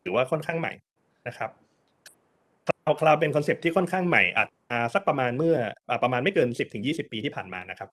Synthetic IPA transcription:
ɯː˨˩˦waː˥˩kʰɔ˥˩nkʰaː˥˩ŋma̰˨˩j | na˦˥kʰa˦˥p̚ʰ | kʰlwkʰlaː˧wp̬e˧nkʰɔː˧nse˨˩p̚t̪ʰiː˥˩kʰɔ˥˩nkʰaː˥˩ŋma̰˨˩jʔa̰ː˨˩t̪̚aː˧sa˦˥˩k̚pɾa˧maː˧nmɯ˥˩ɐʔəː˨˩pɾa˧maː˧nma˥˩jkɤː˧nsi˨˩p̚t̪ɯ˩˦ŋjiː˥˩si˨˩pːiː˧t̪ʰiː˥˩pʰaː˨˩nma̰ː˧na˦˥kʰɾa˦˥p̚

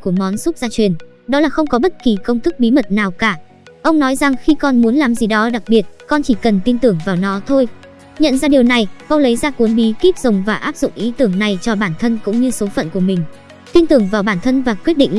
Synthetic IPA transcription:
ku˧˩əmɔ˨˦nsʊ˦˥t̚zaː˧t͡ɕwi˨˩ən | ɗɔ˨˦laː˨˩xə˧wŋ͡mkɔ˨˦ɓə˦˥t̚ki˨˩kə˧wŋ͡mt̪ʰɨ˦˥k̚ɓi˨˦mə˨˩t̚naː˨˩wkaː˧˩ | ʔə˧wŋ͡mnɔ˨˦jza˨˩ŋxi˧kɔ˧nmu˨˦ənlaː˨˩mzi˨˩ɗɔ˨˦ɗa˨˩k̚ɓi˨˩ət̚kɔ˧nt͡ɕi˧˩kə˨˩nt̪i˧nt̪ɨ˨˧˩əŋvaː˨˩wnɔ˨˦t̪ʰo˧j | ɲə̰˧˨nzaː˧ɗi˨˩əwna˨˩jkɔ˧lə˨˦jzaː˧ku˨˦ənɓi˨˦ki˦˥k̚zə˨˩wŋ͡mvaː˨˩ʔaː˦˥p̚zʊ̰˧˨ŋ͡mʔi˨˦t̪ɨ˨˧˩əŋna˨˩jt͡ɕɔ˧ɓaː˧˩nt̪ʰə˧nkʊ̰˧˥ŋ͡mɲɨ˧so˨˦fə̰˧˨nku˧˩əmï˨˩ŋ̟ | t̪i˧nt̪ɨ˨˧˩əŋvaː˨˩wɓaː˧˩nt̪ʰə˧nvaː˨˩kwi˦˥ət̚ɗḭ˧˨ŋ̟

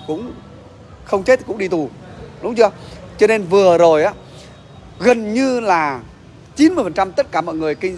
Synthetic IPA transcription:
kʊ̰˧˥ŋ͡m | xə˧wŋ͡mt͡ɕe˦˥t̚kʊ̰˧˥ŋ͡mɗi˧t̪u˨˩ɗʊ˨˦ŋ͡mt͡ɕɨ˧ət͡ɕɔ˧ne˧nvɨ˨˩əzo˨˩jʔaː˨˦ | ɣə˨˩nɲɨ˧laː˨˩ | t͡ɕi˨˦nmɨ˧əfə˨˩nt͡ɕa˧mt̪ə˦˥t̚kaː˧˩mɔ̰ː˧˨jŋɨ˨˩ə˩jkï˧ŋ

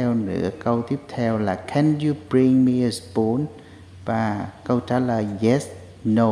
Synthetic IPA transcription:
ɛ˧wnɨ̰˧˥əkə˧wt̪i˦˥əp̚t̪ʰɛ˧wlaː˨˩kʰɛ˨nju˧bɹi˧ŋmi˧ə˧sbo˨˦n | vaː˨˩kə˧wt͡ɕaː˨˦ləː˨˩jɣɛ˦˥s | no˧

